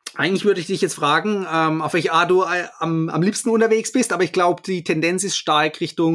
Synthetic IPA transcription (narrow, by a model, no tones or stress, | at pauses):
ʔaɪɡŋ̩tl̩ɪvʏɐɾəɪçd̥ɪçjɛt͡stfʁ̥aːɡŋ̩ɛːmaʊfv̥ɛlçaɐt̚d̥uːama̰mliːpstn̩ʊntɐveːksb̥ɪstʔaːbɐɪçɡ̥laʊbəd̥iːtʰɛndɛnsɪstʃtaɐkʁɪçtʊŋ